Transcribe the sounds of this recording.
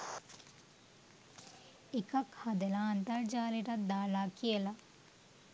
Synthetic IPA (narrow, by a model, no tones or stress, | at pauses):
ikɐkhɐd̪elɐːnt̪ɐɾd͡ʒaːliʈɐd̪aːlaːkielɐ